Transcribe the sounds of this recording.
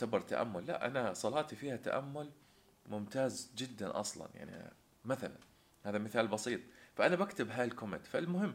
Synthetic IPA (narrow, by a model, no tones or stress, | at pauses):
t̪abɑɾˤt̪a̰ʔa̰mːʊlːa̰ʔa̰nasˤɑlɑːt̪ifiːhat̪a̰ʔamːʊl | mʊmt̪aːzd͡ʒɪd̪ːanʔɑ̰sˤlɑ̰nja̰ʕnḭ | maθala̰n | haːðamɪθaːlbɑsiːt̪ˤfaʔanabakt̪ɪbɦaːalkomɪ̰nt̪falmʊɦɪmː